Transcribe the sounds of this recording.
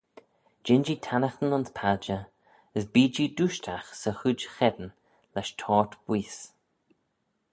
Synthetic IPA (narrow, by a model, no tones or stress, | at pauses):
d͡ʒɪnd͡ʒit̪ʰanəxt̪ənʊnspʰad͡ʒə | əsbiːd͡ʒiːd̪uʃtʰaxsəxud͡ʒxɛd̪ən | lɛʃtʰɔːɹt̪b̥wiːs